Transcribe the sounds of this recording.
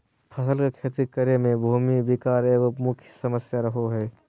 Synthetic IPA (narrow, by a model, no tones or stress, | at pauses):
pʰəsəlkekʰeːt̪ikəɾemẽbʱuːmibɪkaːɾeːɡomʊkʰjsəməsjaɾəɦoɦɛː